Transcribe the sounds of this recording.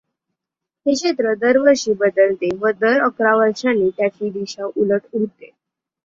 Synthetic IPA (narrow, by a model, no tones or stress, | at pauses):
ɦ̪eɕet̪ɾəd̪əɾʋəɾɕiːbəd̪əlt̪eʋəd̪əɾəkɾaʋəɾt͡ɕaniːt̪jat͡ɕʰiːd̪iɕaʔuləʈuɦt̪e